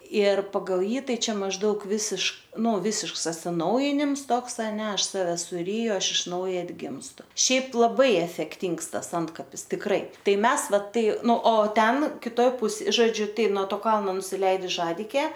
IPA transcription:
ɪr pɐˈɡɐlˠ ˈjiː ˈtɐɪ ˈt͡ʃʲɛ mɐʒˈdɐʊk ˈʋʲɪsʲɪʃkɐɪ ˈnʊ ˈʋʲɪsʲɪʃks ɐtʲsʲɪˈnɐʊjɪnʲɪms ˈtoːks ɐˈnʲɛ ˈɐʃ ˈsɑːʋʲɛ sʊˈrʲiːjʊ ˈɐʃ ɪʃ ˈnɐʊjɛ ɐdʲˈɡʲɪmstʊ ˈʃʲɛɪp lˠɐˈbɐɪ ɛfʲɛkˈtʲiːŋks ˈtɐs ˈɐntkɐpʲɪs tʲɪkˈrɐɪ ˈtɐɪ ˈmʲɛs ˈʋɐ ˈtɐɪ ˈnʊ oː ˈtʲɛn kʲɪˈtoːj ˈpʊs ʒoːˈd͡ʒʲʊ ˈtɐɪ nuɔ ˈtoː ˈkɐlˠnoː nʊsʲɪˈlʲɛɪdʊs ˈʒɑːdʲɪkʲeː

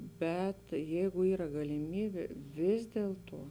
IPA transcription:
ˈbʲɛt ˈjɛɪɡʊ ˈiːrɐ ɡɐlʲɪˈmʲiːbʲeː ˈʋʲɪs dʲiɛlˠtuɔ

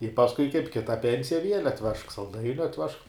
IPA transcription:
ɪ pɐsˈkʊɪ kɐɪp ˈkʲɪtɐ ˈpʲɛnʲsʲɪjɛ ʋʲiɛlʲ ɐtʲˈʋʲɛʃk sɐlˠˈdɐɪnʲʊ ɐtʲˈʋʲɛʃk

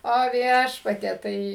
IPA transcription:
oː ˈʋʲiɛʃpɐtʲiɛ ˈtɐɪ

